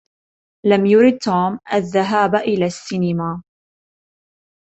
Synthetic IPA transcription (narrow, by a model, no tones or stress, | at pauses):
lamjʊɾɪd̪̚t̪ʰuːmʔaðːaɦaːbʔɪlaːsːinɪmaː